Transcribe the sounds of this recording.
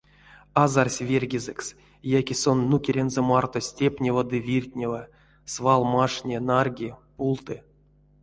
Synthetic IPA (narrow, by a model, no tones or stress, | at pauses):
azarsʲvʲerʲɡʲizɛks | jakʲisonːukʲeɾʲenzɛmart̪osʲtʲepʲnʲevəd̪ɨvʲirʲtʲnʲevə | svalˠmaʂnʲenarɡʲipulˠt̪ɨ